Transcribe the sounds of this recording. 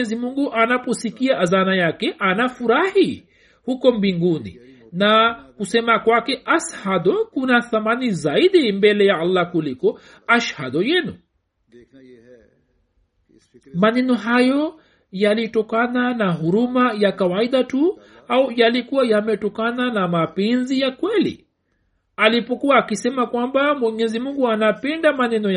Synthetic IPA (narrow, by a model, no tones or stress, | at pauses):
ɛzimuŋɡuʔanapɔsikiaʔːzanajakɛʔanafuɾahi | hukɔmbiŋɡunḭ | nakusɛmakwakɛʔashadɔkunaθamanizaiɗimbɛlɛjaalːakulikɔ | aʃhadɔjɛnu | manɛnɔɦajɔ | jalitɔkananaɦuɾumajakawaiɗatu | aujalikuwajamɛtɔkananamapɛnzijakwɛlḭ | alipɔkuaːkisɛmakwambamwɛɲɛzimuŋɡuanapɛndamanɛnɔj